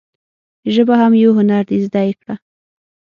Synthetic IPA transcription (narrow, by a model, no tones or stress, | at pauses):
ʒəbahamjawɦʊnaɾd̪ezd̪ɑjkɽa